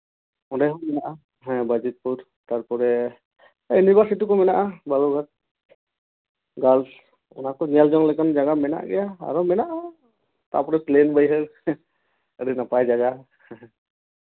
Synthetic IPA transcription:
ɔdajɦɔŋmɛnaʔa | ɦɛ̃bad͡ʒət̪̚puɾ | t̪aɾpɔɾɛ | ənibasiʈikɔmɛnaʔabalɔɡʱat̪̚ | ɡals | ɔ̰nakɔniald͡ʒɔŋlɛkand͡ʒaɡamɛna̰ʔɡɛjaa̰ɾɔmɛnaʔa | t̪a̰pɔɾɛplenbəjɦəɾ | əɾɛnapajd͡ʒaɡa | h

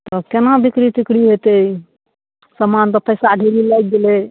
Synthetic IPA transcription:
t̪ɔkenabikɾit̪ikɽiɦet̪ej | səmant̪ɔpəjsaɖʱiɾilajk̚ɡele

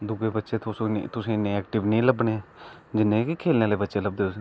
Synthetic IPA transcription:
d̪ʊɡeːbətːʃeːt̪ʊsit̪ʊsĩːnẽːɛːkʈɪʋnĩːləbɳeː | d͡ʒɪnːẽːkikʰeːlneːleːbətːʃeːləbd̪eːos

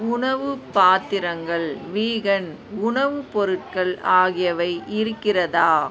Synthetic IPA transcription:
ʊɳɐʋɯpaːt̪ːɪɾɐŋɡɐɭʋiːɣɐn | ʊɳɐʋɯpɔɾɯʈ̚kɐɭaːɣɪjɐʋɐɪʔɪɾɯkːɪrɐðaː

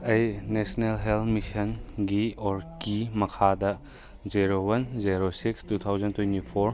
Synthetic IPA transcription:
ɐjnesnelɦelmisɐnɡiɔɾkimɐkʰadɐ | ziɾowɐnziɾosikstut̪ʰawzɐntwentipʰoɾ

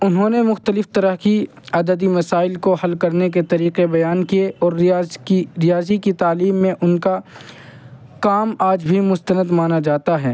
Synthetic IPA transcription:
ʊnɦõːnemʊxt̪əlɪft̪ɐɾəɦki | ɐd̪əd̪imɐsaːɪlkohɐlkɐɾnek̬et̪ɐɾiːqebɐjaːnkieʔɔːɾiɾɪjaːzikit̪aːliːmːẽʔʊnka | kaːmaːd͡ʒbʱimʊst̪ənəd̪maːnad͡ʒaːt̪aɦɛː

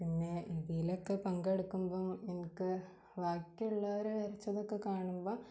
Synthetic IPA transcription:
pinːeiðijilokːepɐŋɡeɽukːumboːenikːɨ | ʋaːkʲːiuɭːɐoɾuʋɐɾɐt͡ɕːɐðokːe̞kaːɳumboː

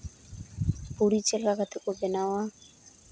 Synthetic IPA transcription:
puɽit͡ʃelkakat̪ʰekobenawa

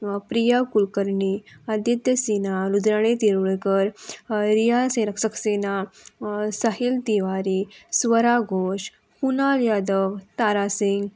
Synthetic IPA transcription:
pɾijakulkəɾɳiad̪jət̪jəsinalud̪ɾaɽ̃et̪iɾuɭɡəɾɾijasenəksəksena | saɦilt̪iʋaɾisʋəɾaɡoʂ | kunaljad̪əʋt̪aɾasiŋɡ

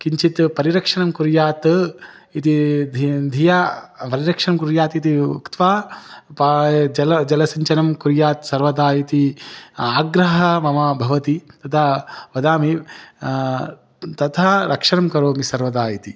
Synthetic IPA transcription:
kiɲt͡ʃit̪pɐɾiɾɐkʂɐnɐmkuɾjaːt̪ | it̪id̪ʱd̪ʱijaːpɐɾiɾɐkʂɐnɐmkuɾjaːt̪it̪iṵkt̪ʋaːpd͡ʒɐlɐd͡ʒɐlɐsɐɲt͡ʃɐnɐmkuɾjaːt̪sɐɾʋɐd̪aːjit̪iaːɡɾɐɦɐmɐmɐbʱɐʋɐt̪it̪ɐt̪ʰɐʋɐd̪aːmi | t̪ɐt̪ʰɐɾʔɐkʂɐnɐmkɐɾoːmisɐɾʋɐd̪aːjit̪i

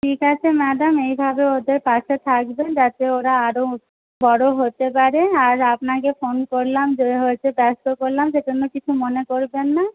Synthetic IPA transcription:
ʈʰikat͡ɕʰemɛd̪amejbʱabeod̪eɾpaʃet̪ʰak̚bed͡ʑat̪eoɾaaɾo | bɔɽoɦot̪epaɾeaɾapnakefonkoɾlamd͡ʑeɦoet͡ɕʰebɛst̪okoɾlamʃeʈenːokit͡ɕʰumonekoɾbenːa

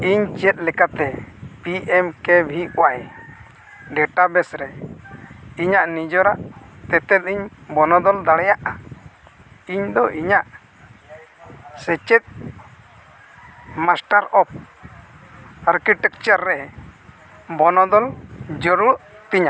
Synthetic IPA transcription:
iɲt͡ʃiɛt̪̚lɛkat̪ɛpiɛmkɛbʱikɔwaj | ɖɛʈabɛsɾɛ | iɲaʔnid͡ʒɔɾaʔt̪ɛt̪ɛt̪̚iɲbɔnɔd̪ɔld̪aɽɛjaʔa | iɲd̪ɔʔiɲaʔ | sɛt͡ʃɛt̪̚ | masʈaɾɔp̚ | aɾkiʈɛk̚t͡ʃaɾːɛ | bɔnɔd̪ɔld͡ʒɔɾuɾʔ | t̪iɲa

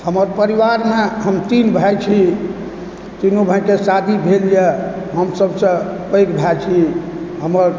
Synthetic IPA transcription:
həməɾpəɾiʋaɾmeɦəmt̪inbʱajt͡ʃʰi | t̪inobʱəjkesad̪ʱibʱelijeɦəmsəbsə̃pəjkbʱat͡ʃʰi | ɦəməɾ

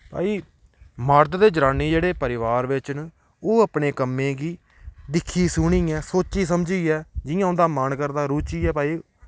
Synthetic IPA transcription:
pa̰ːiː | məɾd̪d̪eːd͡ʒəɾãːniːd͡ʒeːɽeːpəɾɪʋaːɾʋɪt͡ʃn | oːəpɳeːkəmːẽːɡiː | d̪ɪkʰːiːsʊɳiːɛːsoːt͡ʃiːsəmd͡ʒiːɛːd͡ʒɪjãːʊ̃nd̪aːmankəɾd̪aːɾuːt͡ʃiːɛːpaːiː

